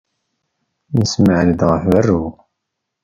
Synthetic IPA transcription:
nəsməʕləd̪ʁəfvərːu

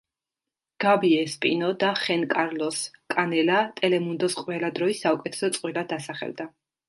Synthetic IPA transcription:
ɡ̥abiɛspʼḭnɔd̪aχɛnkʼaɾlɔskʼanɛlat̪ʼɛlɛmund̪ɔsqʼwɛlad̪ɾɔisːaukʼɛt̪ʰɛ̥sɔt̪sʼqʼwilad̪asaχɛ̰ld̪a

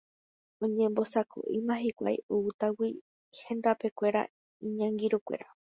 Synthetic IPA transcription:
õɲẽ̞mbo̞sakʰo̰ʔimãɦikʷa̰jout̪awi | hẽ̞nd̪ape̞kʷe̞ɾa̰ | ĩɲãŋɡiɾukʷe̞̰ɾa

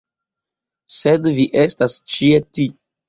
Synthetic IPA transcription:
sedviʔe̞stast͡ʃieti

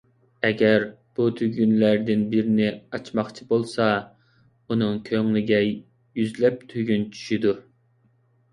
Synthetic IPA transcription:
ɛɡʲæɾ | b̥ut̪ʰyɡʲynlæɾd̪ɪnbiɾɪnɪɑt͡ʃmɑχt͡ʃʰibolˠsɑ | unɨŋkʲʰøŋlɪɡʲɛj | jyzlɛp̚t̪ʰyɡʲynt͡ʃʰy̥ʃid̪u

